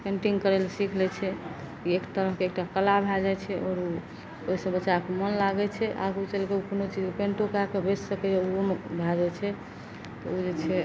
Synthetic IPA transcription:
kəɳʈiŋkəɾelsikʰlɛt͡ʃʰɛ | iekt̪əɾəɦkeːk̚ʈakəlabʱɛd͡ʒɛt͡ʃʰɛʔɔːɾu | oɦisə̃bət͡ʃːakemənlaɡɛt͡ʃʰɛʔa̰ɡut͡ʃelkeukonot͡ʃid͡ʒpenʈokakebessəkɛd͡ʒeumbʱɛd͡ʒɛt͡ʃʰɛ | t̪ɔud͡ʒet͡ʃʰɛ

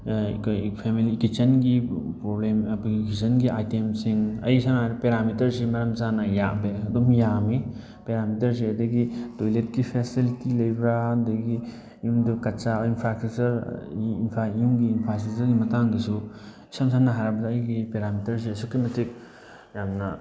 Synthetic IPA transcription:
kpʰemilikit͡ʃɐnɡipɾoblemɐpɡikisɐnɡiʔajtemsiŋɐ̰jsaŋapeɾamitɐɾsimɐɾɐmzanajaʔbeɐdɔmjami | peɾamitɐɾs̬eɐdɐɡidojlet̚kipʰesilitilɐjbɾadɐɡi | jumdukɐtt͡ʃainpʰɾak̚tut͡ʃɐɾinpʰaiuŋɡiːnpʰasusɐɾɡimɐtaŋdisu | isamsaŋnaɦaɾabɐdaɐjɡipeɾamitɐɾs̬isukemetʰik̚ | jamnɐ

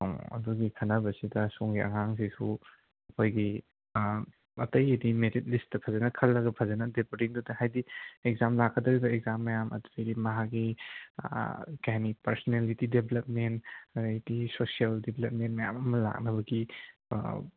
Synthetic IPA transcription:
ŋɐ̰duɡikʰɐnɐbɐsidɐsoŋɡiʔɐ̰ŋaŋsisu | ɐkʰojɡi | ɐtɐjɐdimeɾit̚listtɐpʰɐzɐnɐkʰɐlːɐɡɐpʰɐzɐnɐdepoɾiŋdudɐhajdiek̚zamlakʰːɐdɐɡibɐeɡ̚zamːɐjamʔɐ̰du̥sejdimɐɦaɡi | kajanipɐɾsonelitidebelɐp̚mentɐdedisosialdeblep̚ment̚mɐjamɐmɐla̰k̚nɐbɐɡḭ

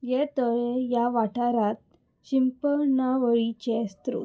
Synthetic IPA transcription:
jɛt̪əɭjaʋaʈaɾat̪̚ | ɕimpənaʋəɭit͡ɕɛst̪ɾo̰

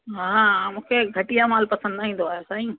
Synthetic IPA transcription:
ɦãːamũkʰeɡʱəʈɪjamaːlpəsə̃nd̪naːɦĩːd̪ʱoaːosaːɦĩ

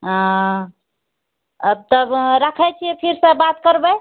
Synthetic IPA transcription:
ɦã | əb̚t̪əbɾəkʰɛt͡ʃʰipʰiɾsə̃bat̪kəɾbə

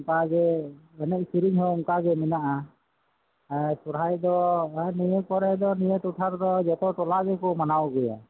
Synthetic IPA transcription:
ŋkaɡɛɛnɛc̪̚siɾiŋɦɔuŋkaɡɛmɛnaʔa | sɔɾajd̪ɔɛnijɛkɔɾɛd̪ɔnijɛʈuʈʰaɾd̪ɔd͡ʒɛt̪ɔʈɔlaɡɛkɔmanawɡɛja̰

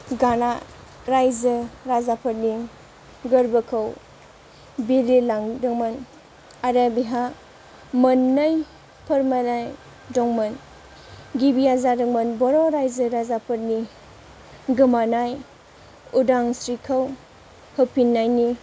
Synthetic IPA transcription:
ɡana | ɾajzɯɾazapʰɐɾni | ɡɐɾbəkʰɐw | biɾilaŋdɯŋmɐn | aɾabiɦa | mɐnːaj | pʰɐɾmanaj | dɔŋmɐn | ɡibiazadɯŋmɐnbɔɾɔɾajzɯɾazapʰɐɾni | ɡɯmanaj | udaŋsɾikʰɐw | hɯpʰinːajni

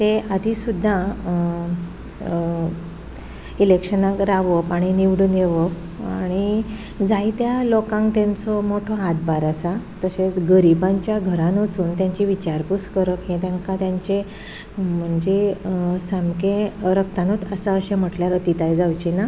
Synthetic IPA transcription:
t̪ead̪ʱisud̪ʱːa | ilekʂənãkɾaʋəpaɽ̃iniʋɽuːnjeʋə | aɽ̃i | d͡zajt̪jalokãŋkt̪jãnt͡sɔmoʈʰoad̪baɾasat̪əset͡sɡəɾibãɲt͡ɕjaɡʱəɾãnət͡suːnt̪jãɲt͡ɕiʋit͡ɕaɾpuskəɾəkɦẽt̪jaŋkat̪jaɲt͡ɕe | m̤əɳd͡zesamkeɾək̚t̪anut̪əsaəɕẽm̤əʈljaɾət̪it̪ajd͡zawt͡ɕina

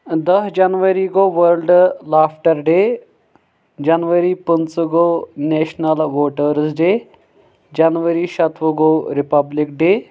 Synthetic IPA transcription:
d̪ɐsd͡ʒɐnʋəɾiɡoʋəɾlɖlaːpʰʈəɾɖeː | d͡ʒɐnʋəɾipənt͡sɡoneːʃnɐlʋoːʈəɾzɖeː | d͡ʒɐnʋəɾiʃɐt̪ʰʋəɡoɾɪpɐblɪkɖeː

